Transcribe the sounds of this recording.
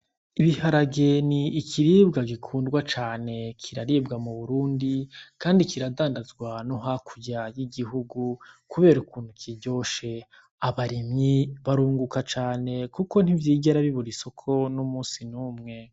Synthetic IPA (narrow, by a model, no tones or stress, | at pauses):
iβihaɾaɡe̞niːkʰiɾiːbɡaɡikʰuːndɡwat͡ʃaːne̞kʰiɾaɾiːbɡamuβuɾuːndikaːndikiɾadaːndazɡwanoɦakʰuɟajiɡiɦuɡukuβe̞ːɾukuːnhukʰiɟo̞ʃe | aβaɾimɲiβaɾuːŋɡukat͡ʃaːne̞kuko̞n̥ivjiːɡeɾaβiβuɾiso̞kʰo̞numuːsinuːmŋe̞